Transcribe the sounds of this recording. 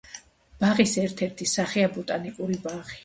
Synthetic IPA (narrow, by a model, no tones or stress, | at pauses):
b̥aʁisɛɾt̪ʰɛɾt̪ʰisaχiabɔt̪ʼanikʼuɾibaʁi